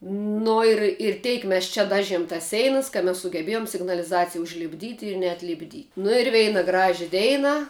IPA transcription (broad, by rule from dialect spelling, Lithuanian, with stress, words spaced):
ˈnʊ ɪr ɪr ˈtʲɛɪk ˈmʲɛs t͡ʃʲɛ ˈdɑːʒʲiɛm tɐs ˈsʲɛɪnɐs kɐ mʲɛs sʊɡʲɛˈbʲeːjoːm sʲɪɡnɐlʲɪˈzɑːt͡sʲɪjɛ ʊʒʲlʲɪbʲˈdʲiːtʲɪ ɪr nʲɛɐtʲlʲɪbʲˈdʲiː nʊ ɪr ˈʋʲɛɪnɐ ˈɡrɑːʒʲɛ ˈdʲɛɪnɐ